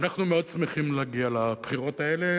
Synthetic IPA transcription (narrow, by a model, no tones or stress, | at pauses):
naχnumeo̞d̪̚t͡smeχimleaɡialab̥χiʁo̞taele̞